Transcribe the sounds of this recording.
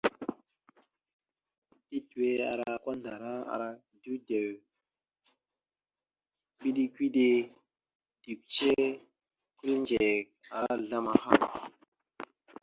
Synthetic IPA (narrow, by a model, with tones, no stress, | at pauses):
ti˦tu˨e˦a̰˨ɾa˨ka˦nda˨ɾa˦a̰˨ɾa˦˨ | du˦de˨w | ki˦ɗi˦kʷi˦ɗe˦ | d̥i˨k̚t͡ʃe˦ | ku˦lnd͡ʒe˨ka˨ɾa˦ɮa˦ma˨ha˦˨ŋ˨